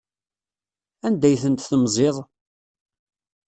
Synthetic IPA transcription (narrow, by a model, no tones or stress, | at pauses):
ænd̪æjθənt̪θəmzˤeðˤ